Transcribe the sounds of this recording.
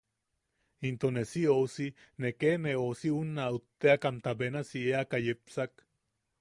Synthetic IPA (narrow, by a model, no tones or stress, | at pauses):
int̪onesiousi | nekeneosiunːaut̪ːeakamt̪abenasieakajepsak